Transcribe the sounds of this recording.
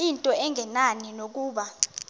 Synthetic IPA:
intʼɔɛŋɛnaninok̬uːɓa

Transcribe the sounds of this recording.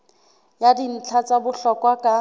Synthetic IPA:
jadin̩t͡ɬʰat͡sʼabʊɬɔkwakʼa

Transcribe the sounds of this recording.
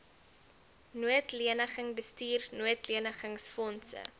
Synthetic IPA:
nuətliənəχəŋbəstiːrnuətliənəχəŋsfɔnsə̰

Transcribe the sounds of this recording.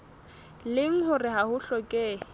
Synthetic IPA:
lɪŋ̩ɦʊrɪɦahʊɬɔkʼe

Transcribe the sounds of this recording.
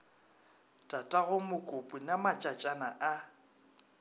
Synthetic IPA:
tʼatʼaɣʊmʊkʼʊpʼinamat͡ʃʼat͡ʃʼanaʔa

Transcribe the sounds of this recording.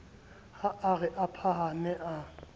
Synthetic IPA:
haʔaɣɛʔapʰaɦanɛʔa

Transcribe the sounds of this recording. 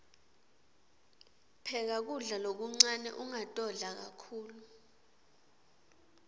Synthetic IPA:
pʰɛk̬ak̬uɮalok̬uŋ͡ǀanɛ̰ʔuŋatʼɔɮak̬akʰuːlu

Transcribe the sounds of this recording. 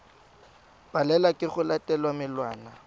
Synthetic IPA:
b̥alɛlakʼɪχʊlatʼɛlwamɪlwaːna

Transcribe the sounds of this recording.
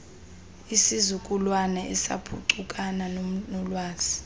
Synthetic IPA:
isizukʼulwanɛʔɛsa̰pʰṵǀukʼananonɔlwaːz̥i̥

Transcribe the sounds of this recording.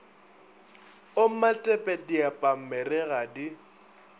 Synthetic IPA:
omatʼɛpʼɛdiapʼam̩mɛrɛɣadi

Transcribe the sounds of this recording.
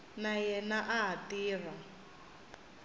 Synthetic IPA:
najɛnaʔaɦatiːra

